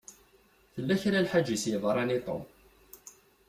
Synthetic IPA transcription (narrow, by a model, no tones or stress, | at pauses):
θəlːæçɾalħad͡ʒːisjəvˤɾˤɑnit̪ˤo̰m